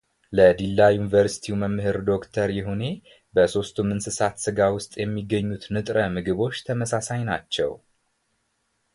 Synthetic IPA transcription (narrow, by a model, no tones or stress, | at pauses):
ləd̪ilːajunivəɾsi̥t̪ʰiməmːɨɦɨɾd̪o̞kt̪ʰəɾjɪɦune̞ | bəso̞st̪ʰumɨnsɨsat̪sɨɡawʊst̪ʼjɛmːiɡːəɲːut̪nɨt̪ʼɾəmɨɡɨβo̞t͡ʃːt̪ʰəməsasajnat͡ʃːɛ̰w